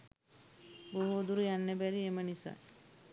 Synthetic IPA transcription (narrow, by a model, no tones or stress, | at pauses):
boɦuːd̪uɾujanːebæɾiemənisa̰